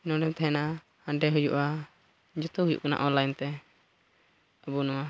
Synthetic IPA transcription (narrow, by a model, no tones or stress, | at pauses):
nɔɖɛmt̪ʰɛɦɛna | ãɖɛɦud͡ʒuʔa | d͡ʒɔt̪ɔhud͡ʒṵʔkana̰ʔɔnlajnt̪ɛ | abunɔwa